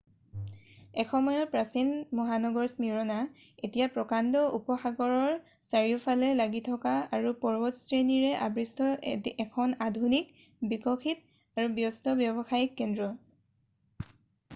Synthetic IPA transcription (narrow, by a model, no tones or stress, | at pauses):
ɛxɔmɔjɔpɹasinmɔɦanɔɡɔɹsmiɹɔna | etijapɹɔkandɔʔupɔxaɡɔɹɔɹ | saɹiupʰalɛlaɡitʰɔkaaɹupɔɹbɔtsɹeniɹɛʔa̰bɹistʰɔɛkʰɔnadʱunik | bikɔxit | aɹubjɔstɔbjɔbɔxajikːɛndɹɔ